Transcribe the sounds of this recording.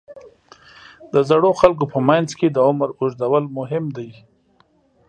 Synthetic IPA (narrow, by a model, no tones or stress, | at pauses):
d̪əzaɽoxalk̬opəmajnzked̪əʊmɾʊʒd̪awəlmʊɦɪmd̪aj